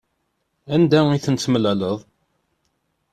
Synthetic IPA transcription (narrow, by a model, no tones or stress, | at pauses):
ænd̪æiθənt͡sːəməlæləðˤ